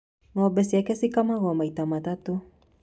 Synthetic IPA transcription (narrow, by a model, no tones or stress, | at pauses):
ŋabɛsiakɛsikamaɣɔmait̪amat̪at̪u